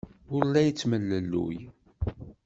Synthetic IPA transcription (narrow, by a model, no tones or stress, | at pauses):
ʊɾlːæjət͡sːməlːəlːṵj